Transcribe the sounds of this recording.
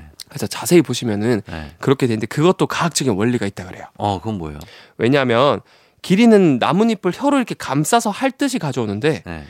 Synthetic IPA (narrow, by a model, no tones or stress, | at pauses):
kesʰat͡ɕasʰe̞ipoɕʰimjʌnɯnkɯɾʌkʰedwe̞nɯnde̞kɯɡʌt͈̚okaɦak̚t͡ɕ͈ʌɡinwʌʎːiɡait̚t͈akɯɾe̞̰jokɯʌnbo̰ḛo̰we̞ɲaɦmjʌn | kiɾinɯnːa̰muɲipʰɯɭçjʌɾoiɾikʰekams͈asʰʌhaɭt͈ɯɕʰikad͡ʑʌonɯnde̞ḛ